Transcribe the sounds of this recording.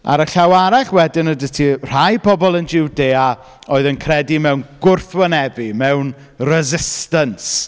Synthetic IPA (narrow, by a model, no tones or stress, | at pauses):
a̰ɾəɬawaɾaɬwɛdɪnədətʰir̥ajpʰɔbɔlˠənd͡ʒɪwdeːa | oːɨðənkʰrɛdimɛwnɡ̥ʊrθwənɛvimɛwn | rɛzɪstəns